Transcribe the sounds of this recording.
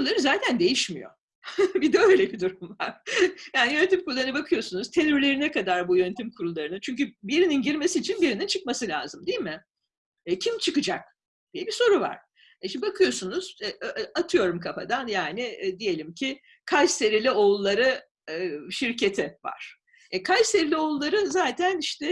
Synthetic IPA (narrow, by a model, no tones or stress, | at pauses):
ulˠaɾɯzaːt̪ʰænd̪e̞jiʃmḭjo̞̰ | bid̪ɛøjlʲebid̪uɾumvaɾ̥jaːnijø̞net̪ʰimkʰuɾulˠaɾɯnɯbakʰɯjo̞sunuz̥t̪ʰe̞nyɾlʲe̞ɾinɛkad̪aɾbujønet̪ʰimkʰuɾulˠaɾɯnɯnt͡ʃʰyɲcybiɾininɟiɾme̞siːt͡ʃʰinbiɾinint͡ʃʰɯk̚masɯlʲa̰ːzɯmd̪ijilʲmɪ | ɛcʰimt͡ʃʰɯkɯd͡ʒak̚ | d̪̥ijɛbiso̞ɾuva̰ɾ̥ | ɛʃimbibakʰɯjo̞sunuz̥ɛʔat̪ʰɯjo̞ɾumkʰafa̰d̪anjaːnɪd̪ije̞lʲimcʰi | kʰajse̞ɾilʲio̞lˠːaɾɯ | ʃiɾcʰe̞t̪ʰɛva̰ɾ̥ | ɛkʰajse̞ɾilʲio̞lˠːaɾɯzaːt̪ʰæniʃt̪ʰɛ